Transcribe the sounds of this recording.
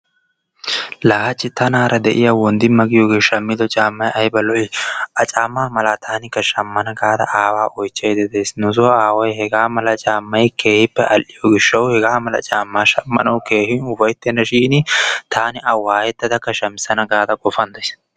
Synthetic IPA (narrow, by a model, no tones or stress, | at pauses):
laːhɐt͡ʃːɪt̪ɐnaːɾɐd̪ɛʔɪjawɔnd̪ɪmɐɡɪjɔːɡeːʃɐmːɪd̪ɔt͡ʃʼaːmːɐjɐjbɐlɔʔɪʔɐt͡ʃʼaːmːaːmɐlaːt̪ʰaːnɪkːɐʃɐmːɐnɐɡaːd̪ɐ̰ʔaːwaːʔɔjt͡ʃːejd̪ɛd̪eːsnʊzɔaːwɔjhɛɡaːmɐlɐt͡ʃʼaːmːɐjke̞ːhɪpːɛʔɐlʔɪjɔɡɪʃːɐwhɛɡaːmɐlɐ̰t͡ʃʼaːmːaːʃɐmːɐ̰nɐwke̞ːhɪnʊfɐjt̪ːɛnːɐʃiːnɪt̪ʰaːnɪʔɐwaːjɛt̪ːɐd̪ɐkːɐʃɐmɪsɐnɐɡaːd̪ɐkʼɔfɐnd̪ɐs